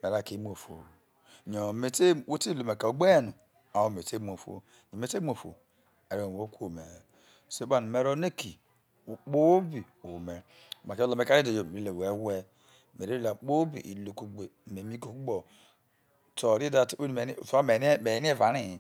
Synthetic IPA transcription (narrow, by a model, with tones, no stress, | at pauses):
me˨ɾa˨ke˨˦m˦o˨fo̰˨ | ɲo˨me˨te˦wo˦te˦lo˨me˨ka˨o˨ɡ͡be˦˨nu˨ | a˨o˦˨me˨te˦m˨o˨fo̰˦ | ɲo˨me˨˦te˦m˦o˨fo̰˨ | a˨ɾo˨o˦kʷo˨me˨ | se˦ba˨nu˨me˨ɾo˦ne˦ki˨ | u˨k͡po˦bi˨ | o˨me˨ | ma˨ke˦lo˨me˦ka˦ɾi˦do˨jo˨e˨ɾi˦le˨we˦we˦ | me˨e˦la˨k͡po˦bḭ˨ʔḭ˨lo˨ku˦ɡ͡be˨me˨mi˦ko˦ku˦ɡ͡bo˨ | to˨ɾi˦da˦˨to˦n˨˦˨fa˦me˨˦me˨˦n˦va˨ni˦˨